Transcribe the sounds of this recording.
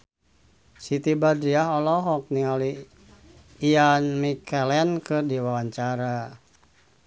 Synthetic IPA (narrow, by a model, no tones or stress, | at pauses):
sit̪ibadɾiaɦɔlɔɦɔk̚niali | ianmikɛlɛnkɨrdiwawaɲt͡ʃaɾa